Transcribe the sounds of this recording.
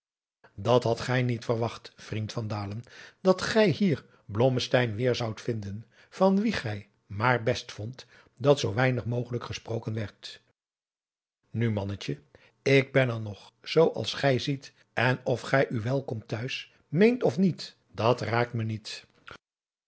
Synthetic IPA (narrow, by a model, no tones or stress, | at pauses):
dɑtɦɑtχɛjnitfəɹʋɑχtfrintfɑndaːlənd̥ɑtχɛjɦiːɹ | blɔməstɛjnʋɪːɹzʌwtfɪndən | v̥ɑnʋiχɛj | maːɹbɛstfɔnt | dɑtsowʋɛjnəχmowχələkχəsprowkənʋɛɹt | nymɑnəcə | ɪɡ̚bɛnɛnɔχz̥owʔɑ̰lˠsχɛjzit | ɛnɔfχɛjʔyʋɛlˠkɔmtœɥs | mejntɔfnit | d̥ɑtraːk̚tmənit